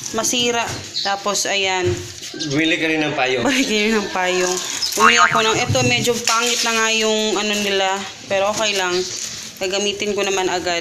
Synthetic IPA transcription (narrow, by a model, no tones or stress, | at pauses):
mɐsiːɾɐʔ | t̪aːpo̞sʔɐjan | wiːlɪkɐɾɪnɐŋpaːjobilɪkɐɾɪnɐŋpaːjoŋʔuʔɐkonɐŋʔɛt̪omɛːd͡ʒopaːŋɪt̪̚nɐŋajʊŋʔɐno̞nɪla | pɛːɾoʔoːkɐjlɐŋ | kaːɡɐmiːt̪ɪnkonɐmanɐɡad̪̚